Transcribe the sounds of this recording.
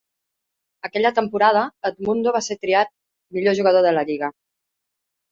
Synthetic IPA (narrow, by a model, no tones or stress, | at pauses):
əkɛʎət̪əmpuɾað̞əət̪̚mund̪oβ̞aset̪ɾiat̪̚ | miʎoʒuɣəðoðələʎiɣ̞ə